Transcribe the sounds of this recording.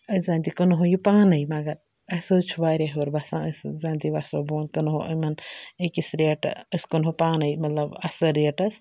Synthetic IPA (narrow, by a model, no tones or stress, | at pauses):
əszãːnt̪ikənɦojupaːnɐjmɐɡɐɾ | ɐsɨt͡ʃʰuʋaːɾeɦʋɐɾbɐsãːəszãːnt̪iʋasoboːnkɐnɦoʔɐ̰mɐnəkisɾeːʈəskunɦupaːnɐjmɐt̪lɐbɐsɐɾeːʈɐs